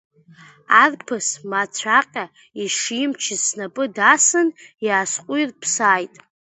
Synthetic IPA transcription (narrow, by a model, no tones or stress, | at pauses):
arpʰɨsmat͡ɕʷʰaqʲʼa | iʂimt͡ʃʰɪzsnapʼɨdasɨnjaːsqʷʼʊirpʰsaːjtʼ